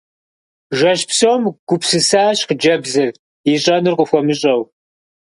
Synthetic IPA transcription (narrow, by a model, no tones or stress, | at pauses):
ʒɐɕpsomɡ̥ʷʊpsɨsaːɕqd͡ʒɐbzɨr | iɕʼɐnɨrqʷʼʊxʷɔmɨɕʼɐw